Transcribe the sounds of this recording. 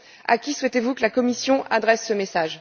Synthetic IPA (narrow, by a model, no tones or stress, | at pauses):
a̰kʲiswɛt̪evukəlakɔmisjɔ̃ʔad̪ʁɛsːəmesaʒ